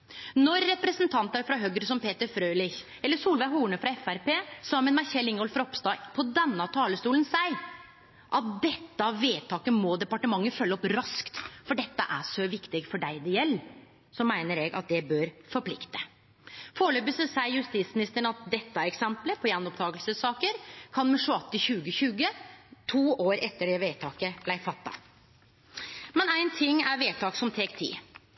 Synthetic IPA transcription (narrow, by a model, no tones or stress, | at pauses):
nɔɾːɛpɾəsənt̪ʰɑnt̪əɾfɾɑɦøɡɾəsɔmpeːt̪əɾfɾøːlɪç | ɛlːəʂuːlʋæɪɦuːɳəfɾɑɛfæɾpeːsɑːmɛmæçɛlɪŋɔlfɾɔpst̪ɑːpʰɔd̪ɛnːɑt̪ʰɑːləst̪uːlənsæɪ | ʔɑt̪̚d̪ɛt̪ːəɑʋeːt̪ʰɑːkəmɔd̪ɛpɑʈəmɑŋːəfœlːɔpɾɑskt̪fɔɖɛt̪ːəʔæʂɔʋɪkt̪ɪɡfɔɖæɪd̪ɛjɛlː | sɔmæɪnəɾɛːɡɑ̰t̪̚d̪ɛbøɾfɔɾpʰlɪ̰kt̪ə̥ | foːɭøːbəsəsæɪjʉst̪iːt̪smɪnɪst̪əɳɑt̪̚d̪ɛt̪ːəɛksɛmpləpʰɔjænɔpt̪ʰɑːɡəlsəsːɑːkəɾkʰɑnmɛʂʊɑt̪ːɪçʉːɡəçʉːɡət̪ʰuːʔoːɾɛt̪ːəɖɛʋeːt̪ʰɑːkəb̥læɪfɑt̪ːɑ̰ | mɛnæɪnt̪ʰɪŋːæɾʋeːt̪ʰɑːksɔmt̪ʰeːɡt̪ʰḭː